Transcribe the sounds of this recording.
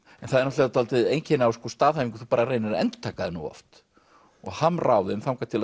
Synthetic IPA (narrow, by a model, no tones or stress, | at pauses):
ɛnθaðɛɾnut̪eɾat̪alt̪ɪðejncʰɪnawskɔst̪aːðhajviŋkʏ̥θupaːɾareːjnɪɾɛ̰nt̪ʏ̥t̪ʰaːkaðɪnṵɔ̰ft̪ | ɔ̰ɣhanːraːwðɪʏmθamkat̪ʰɪl